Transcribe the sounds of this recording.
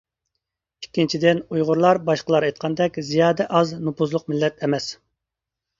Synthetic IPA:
ikʲːint͡ʃʰid̪ɪnujʁʊɾlˠɑɾbɑʃqəlˠɑɾejt̪̚qʰɑnd̪ɛkʲzijɑːd̪ɛʔɑznupuzlˠʊq̚mɪlːɛt̪ʰɛmɛs

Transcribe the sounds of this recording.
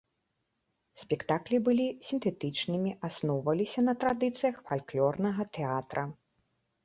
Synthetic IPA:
sʲpʲɛkt̪aklʲibɨlʲisʲint̪ɛt̪ɨt͡ʂnɨmʲiʔasnɔwvɐlʲisʲɐnɐt̪ɾad̪ɨt̪sɨjɐxfalʲklʲɔrnɐɣɐt̪ɛat̪ɾʔɐ

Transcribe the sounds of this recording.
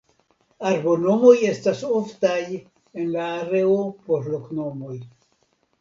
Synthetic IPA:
aɾbo̞no̞mo̞je̞stasoftaj | e̞nlaːɾe̞opoɾlokno̞mo̞j

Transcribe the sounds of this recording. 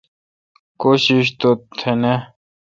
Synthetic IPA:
koːɕiɕ̬t̪ot̪ʰːene

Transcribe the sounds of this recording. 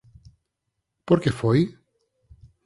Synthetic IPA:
poɾkefoj

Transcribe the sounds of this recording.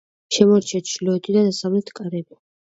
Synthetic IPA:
ʃɛmɔɾt͡ʃʰɛt̪ʃlɔɛt̪ʰid̪ad̪asavlɛt̪ʰkʼaɾɛba

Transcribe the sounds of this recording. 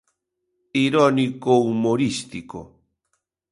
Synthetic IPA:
iɾonikowmoɾist̪iko̰

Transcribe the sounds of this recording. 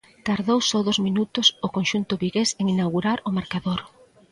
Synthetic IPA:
t̪aɾðowsɔðozminut̪ʊsʊkonʃunt̪ʊβiɣeseŋinawɣuɾaɾʊmaɾkaðoɾ

